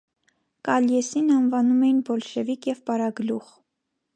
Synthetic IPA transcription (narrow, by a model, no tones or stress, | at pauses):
kɑljɛsinɑnvɑnumɛjinbɔlʃɛvikʰjɛvpɑɾɑɡluʁ